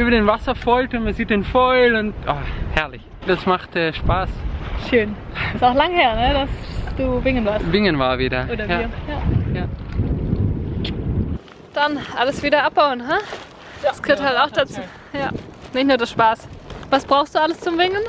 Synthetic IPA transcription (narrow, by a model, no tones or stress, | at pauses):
ʔyːbɐdenvasɐfɔʏltʊntmanziːt̚d̥enfɔʏlʊntʔaːhɛɐlɪç | d̥asmaχtɛːʃpaːsʃøːn | ɪsaʊxlaŋheːɐnədasd̥uːvɪŋənvaɐsvɪŋənvaːɐviːdɐoːdɐjajajaː | d̥anʔaləsv̥iːdɐʔap̚b̥aʊənɦa | sɡ̥øːthaltaʊxd̥at͡suː | jaːnɪçtnuːɐdaʃpaːsvasb̥ʁaʊxstd̥uːaləst͡sʊmvɪŋən